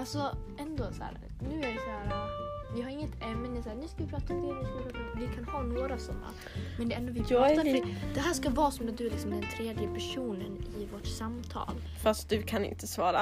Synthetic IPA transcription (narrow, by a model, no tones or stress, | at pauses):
alsɔ | ɛnd̪oːsæ̰ːɾ | nʉ̟ːæɾvɪsæːɾvɪɦaɾɪŋːət̪ɛmːɛnd̪ɛsæːɾnʉ̟ːskavɪpʰɾɑːt̪aɔmʰed̪skaɪpʰɾɑːt̪ɔvɪkʰanhɑːnoːɾasɔmːa̰ | mɛnd̪ɛɛnd̪oːvɪpɑːt̪ad̪ɛɦæːʂkavɑːsɔmɛd̪ɵlɪksɔmd̪ɛnt̪ʰɾeːd̪jəpʰæʂuːnənɪvoʈsamt̪ʰɑ̰ːl | fast̪̚d̪ɵkʰanɪ̰nt̪əsvɑːɾa̰